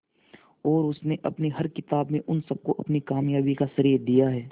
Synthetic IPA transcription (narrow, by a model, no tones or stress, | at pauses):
ɔːɾʊsneʔɐpniɦɐɾkɪt̪aːbmẽʔʊnsɐb̚koʔɐpnikaːmjaːbikasɐɾiːɾd̪ijaɦɛː